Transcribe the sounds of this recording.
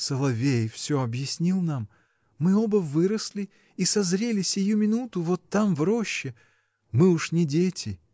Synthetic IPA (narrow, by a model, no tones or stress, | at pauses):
səlˠɐvʲejfsʲoɐbjɪsʲnʲilˠnamː | ɨobəvɨɾəsʲlʲɪ | isɐzɾʲelʲɪsʲɪjumʲɪnut̪ʊvot̪ːamvɾoɕːɪ | mɨʊʂnʲɪdʲetʲɪ